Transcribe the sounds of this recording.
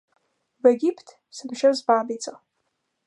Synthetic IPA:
veɡʲipʰtʰ | sɨmʃazbaːbit͡sʼa

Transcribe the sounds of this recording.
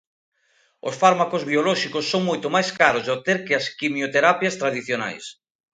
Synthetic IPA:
o̰sfaɾmakozβiolɔʃikosːoŋmojt̪omajskaɾozðot̪eɾkɪaskimjot̪eɾapjast̪ɾaðiθjona̰js

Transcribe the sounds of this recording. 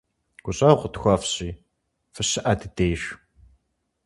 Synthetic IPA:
ɡ̥ʷʊɕʼɐwqʷətxʷɐfɕʼiː | fɨɕɪʔɐdɨdeːɕ

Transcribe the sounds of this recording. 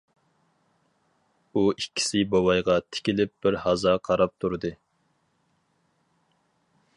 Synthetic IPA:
uikʲːi̥sɪbɑwɑjʁɑt̪ʰɪ̥kʲilɪp̚b̥ɪɾhɑzɑqʰɑɾɑp̚t̪ʰuɾɨd̪ɨ

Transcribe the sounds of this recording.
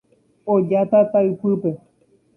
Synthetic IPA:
od͡ʒat̪at̪aɨpɨpe̞

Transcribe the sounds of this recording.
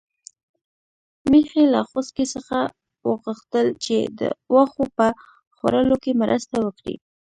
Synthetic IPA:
mexela̰xoskesəxa | wə̰ɣəxt̪əlt͡ʃed̪ə̰waxopə | xwa̰ɾəlokemɾʔə̰st̪awəkɽḭ

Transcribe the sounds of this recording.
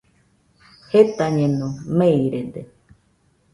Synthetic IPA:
het̪aɲẽnõmeiɾed̪e

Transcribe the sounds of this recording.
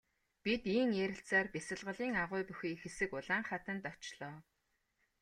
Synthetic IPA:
pit̪iːŋjæɾʲɪ̆ɬt͡saːrpesə̆ɮʁə̆ɮiːŋaʁʊːpuxiːkxesɘ̆kʊɮaːɴχat̪ə̆nt̪ɔt͡ɕɮɔː

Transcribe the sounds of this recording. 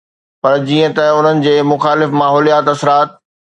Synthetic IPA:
pɐɾd͡ʑiːə̃t̪ɐʊn̤ənɪ̆d͡ʑeːmʊxaːlɪfmaːɦɔːlijaːt̪ɐsɾaːt̪̚

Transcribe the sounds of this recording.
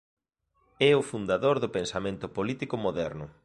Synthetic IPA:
ɛʊfund̪aðoɾðʊpensamẽnt̪ʊpolit̪ikʊmoðɛɾnʊ

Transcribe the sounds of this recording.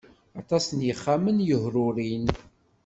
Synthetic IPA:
ɑt̪ˤɑsənjəχːamənjəɦɾʊɾin

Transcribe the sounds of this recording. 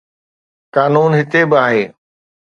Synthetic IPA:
kaːnuːnɦɪt̪ebɪaːɦeː

